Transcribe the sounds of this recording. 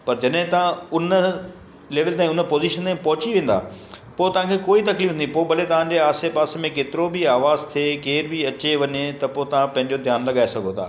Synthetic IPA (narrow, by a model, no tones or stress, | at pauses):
pɐɾd͡ʑɐɗɦɪ̃t̪ɐãʊnə | leːʋəlt̪ãːĩʊnəpoːziːʃənt̪ãːpɐɦʊt͡ɕiʋẽːn̆d̪a̰ː | poːt̪ɐʋ̤ãkʰeːkoːit̪ɐkliːfʰnd̪ipoːbʱɐlet̪ɐʋ̤ãd͡ʑeaːsepaːsmẽkeːt̪ɪɾobiaːʋaːzt̪ʰekeːɾbiɐt͡ɕeʋɐɲet̪ɐpoːt̪ɐʋ̤ãpɐ̃ɦɪ̃ɲd͡ʑod̪ʱjaːnlɐɠaːesɐɡʱot̪ʰa̰ː